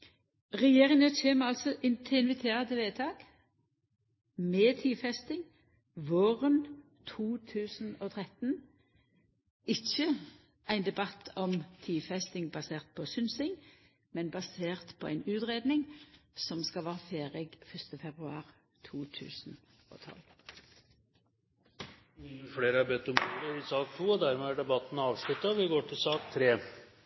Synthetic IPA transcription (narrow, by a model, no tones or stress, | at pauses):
ʁɛjeːʁɪŋət͡ɕeːmɑlsɔʔɪnt̪ʰɪnʋɪt̪ʰeːʁɑd̪əʋeːt̪ʰɑːɡ̥ | meːt̪ʰiːfɛst̪ɪŋ | ʋoːʁən | t̪ʰuːt̪ʰʉːsn̩oːt̪ʰʁɛt̪n̩ | ɪçə | ʔæɪnd̪ɛbɑt̪ʰːɔmt̪ʰiːfɛst̪ɪŋbɑseːʁt̪̚pʰɔsʏnsɪŋ | mɛnbɑseːʁt̪pʰoːæɪnʉːt̪ʁeːd̪nɪŋsɔmskɑlʋæːʁəfeːʁɛɡfœst̪əfɛbʁʉɑ̰ːʁ | t̪ʰuːt̪ʰʉ̰ːsn̩ | o̰ːt̪ʰɔ̰l | miəfleːɾəɑɾbɛt̪ːɔmʰuɾəɾɪsɑːkt̪ʰuːɔd̪æɾmɛæɖɛbɑt̪ːn̩ɑːʋʂlʉt̪ːɑʋɪɡoːʈʰɪlsɑːkt̪ʰɾeː